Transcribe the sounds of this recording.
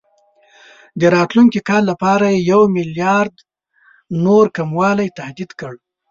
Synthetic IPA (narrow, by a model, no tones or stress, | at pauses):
d̪əɾɑt̪luŋkikɑllapɑɾajejawmɪljɑɾd̪ | noɾkamwɑlajt̪ahd̪id̪kəɽ